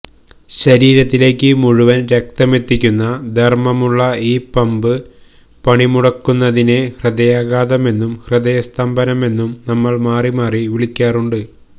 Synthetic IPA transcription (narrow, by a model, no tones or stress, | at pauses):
ɕɐɾiːɾɐt̪ːile̞ːkʲːɨmuɻuʋɐnɾɐk̚t̪ɐme̞t̪ːikʲːunːɐd̪ʱɐrmɐmuɭːɐiːpɐmbɨ | pɐɳimuɽɐkːunːɐðine̞hrɨd̪ɐjaːɣaːðɐme̞nːumhrɨd̪ɐjɐst̪ɐmbɐnɐme̞nːumnɐmːɐɭmaːrimaːriʋiɭikʲːaːruɳɖɨ